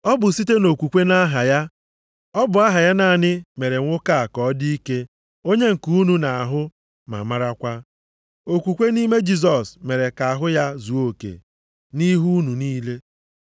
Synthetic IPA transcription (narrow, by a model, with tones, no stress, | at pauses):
ɔ˦bʊ˨si˦te˦no˨kʷu˨kʷe˦na˦ɦa˨ja˦ | ɔ˦bʊ˨a˦ɦa˨ja˦na˨nɪ˦me˨ɾe˨ŋʷʊ˦ka˦a˨kɔ˨˦di˦i˦ke˦ | o˦ɲe˦ŋ̩˨ku˦nu˦na˨a˨ɦʊ˦ | ma̰˨ma˦ɾa˦kʷa˦ | o˨kʷu˨kʷe˦ni˦me˦d͡ʒi˦z̬ɔ˨sme˨ɾe˨ka˨a˨ɦʊ˦ja˦zu˨o˦˨kḛ˨ | ni˦ɦu˦nu˨niː˦le˦